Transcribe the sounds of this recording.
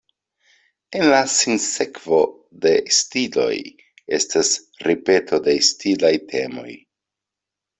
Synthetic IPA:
e̞nlasinse̞kvo̞ | de̞stilo̞̰j | e̞stas | ɾipe̞tʰo̞de̞stilajtʰe̞mo̞̰j

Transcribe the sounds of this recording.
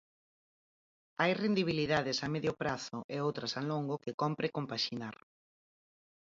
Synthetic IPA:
ajrend̪iβ̞iliðaðɪsamɛðjʊpɾaθʊʔeowt̪ɾasaloŋɡokɪkɔmpɾekompaʃinaɾ

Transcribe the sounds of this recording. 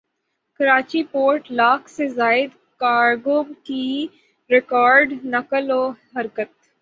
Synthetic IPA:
kɐɾaːt͡ʃipoːɾʈlaːkʰsezaːɪd̪ | kaːɾɡoːbki | ɾɪkɔːɾɖnɐkəloːɦɐɾkət̪

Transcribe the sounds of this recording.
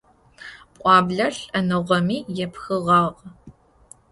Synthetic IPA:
pʷʼɑːbɮɐɬɐnɨʁʷɐmiːjɛpxɨʁɑːʁ

